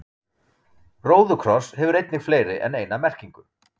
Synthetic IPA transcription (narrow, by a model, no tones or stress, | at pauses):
roːwðʏkʰɾɔshɛvʏɾejt̪̚nɪxfleːjɾɪʔɛ̰nejnamɛr̥ciŋkʏ